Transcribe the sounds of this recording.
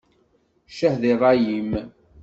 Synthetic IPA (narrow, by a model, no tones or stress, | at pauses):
ʃəhðirˤɑjim